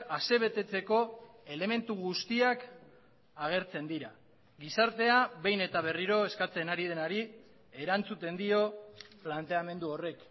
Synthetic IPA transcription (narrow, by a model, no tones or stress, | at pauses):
ase̞β̞e̞t̪e̞t͡se̞ko̞ | e̞le̞me̞nt̪uɣ̞ust̪iak | aɣ̞e̞ɾt͡se̞nd̪iɾa | ɣisaɾt̪e̞aβe̞jne̞t̪aβ̞e̞riɾo̞e̞skat͡se̞naɾið̞e̞naɾi | e̞ɾant͡sut̪e̞nd̪io̞plant̪e̞ame̞nd̪uo̞re̞k